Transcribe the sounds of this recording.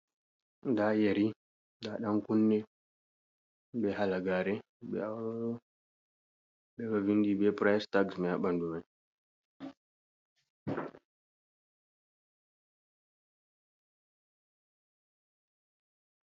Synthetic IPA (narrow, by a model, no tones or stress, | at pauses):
ndajeɾi | daɗaŋkunːɛ | bɛhalaɡaɾɛ | bɛ̰awɾɔɗɔ | ɓɛɡavindibɛpɾajstaɡsmɛjaɓanduman